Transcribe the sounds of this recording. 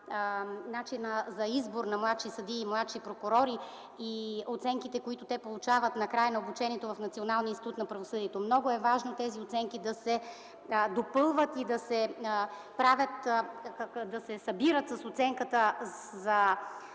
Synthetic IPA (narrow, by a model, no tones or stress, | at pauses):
nat͡ʃinəzɐizboɾnɐmlˠat̪ʃisɐd̪iːmlˠat̪ʃipɾokʊɾɔɾi | iot̪sɛŋkit̪ɛkoit̪ot̪ɛpolˠut͡ʃavət̪nɐkɾajnɐobut͡ʃɛnʲiɛt̪ovɐfnɐt̪sionalˠniəinst̪it̪ut̪nɐpɾɐvosɤd̪iɛt̪omnɔɡʊɛvaʒnot̪ɛziot̪sɛŋkid̪ɐsɛ | d̪opɤlˠvət̪id̪ɐsɛ | pɾavʲət̪ | d̪ɐsɛsɐbiɾət̪sɐsot̪sɛŋkət̪ə | zɐ